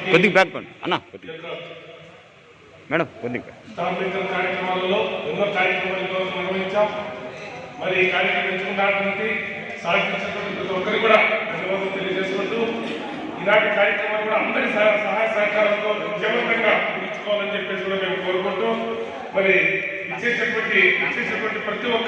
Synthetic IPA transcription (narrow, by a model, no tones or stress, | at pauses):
kod̪iŋbaːk̚bɐ̰ɐ̰nːaːkɐ | mɛːɽɐmkod̪iɡst̪aːblikːɐlɐkaːɾjɐkɾɐmaːlɐmlo̞ːenːoːkaːɾjɐkɾɐmaːlɐt̪oːsɐminɐʋɐɦiɲt͡ʃːaː | mɐɾikaːɾikɐmɐt͡ʃɐkudaːʈnɐnʈi | saːd̪it͡ʃɐkoʈːipɐt̪ɐɔkːɐɾikuːɽaːd̪ʱɐnɐʋaːd̪ɐmt̪e̞lijɐd͡ʒeːsuʋɐɖ̪ːu | inaːɳʈikaːɾjɐkɾɐmaːlkuːɽaːɐnd̪ɐɾissɐɦaːjɐsɐɦɐkaːɾɐnt̪o̞ːʋid͡ʒ̪jɐʋɐd̪ɐŋɡaːkuɾut͡ʃːu̥kɔːʋaːlɐnit͡ʃepːeːs̬iɡuːɽaːme̞ːmuko̞ːɾɐkuɳʈːu | mɐɾi | ʋit͡ʃːeːsɐʈɐʋɐɳʈiʋit͡ʃːeːsɐʈɐʋɐɳʈipɾɐt̪iɔkː